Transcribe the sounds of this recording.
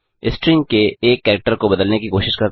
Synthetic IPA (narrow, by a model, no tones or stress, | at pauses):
ɪsʈɾɪŋkeeːkːɛːɾək̚ʈəɾkobɐd̪əlnekikoːʃɪʃkɐɾ